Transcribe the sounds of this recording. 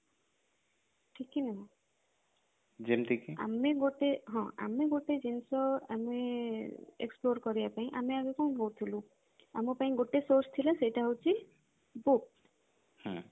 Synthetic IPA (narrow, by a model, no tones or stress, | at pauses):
ʈʰikinaɦĩ | d͡ʒemʈʰikia̰meɡoʈeɦɔ̃a̰meɡoʈed͡ʒinsɔa̰me | ḛksploɾkɔɾijapaĩʔameaɡepaĩɦowt̪ʰilũ | amɔpaĩɡoʈesoɾst̪ʰilasejʈaɦowt͡ʃʰi | buk̚ | hɔ̃